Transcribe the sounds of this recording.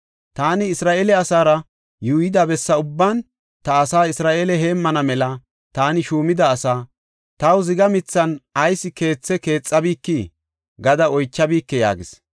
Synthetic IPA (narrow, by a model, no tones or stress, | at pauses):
t̪aːnɪːsɾaːʔeːlɛɐsaːɾɐ | juːjɪd̪ɐbɛsːɐʊbːan | t̪ɐːsaːɪsɾaːʔeːlɛɦe̞ːmːɐnɐmɛlɐ | t̪aːnɪʃuːmɪd̪ɐːsaː | t̪ɐwzɪɡɐmɪt͡sːɐnɐjsːɪke̞ːt͡sːɛke̞ːt͡sʼːɐbiːkːi | ɡɐd̪ɐɔjt͡ʃːɐbiːkːɛja̰ːɡɪs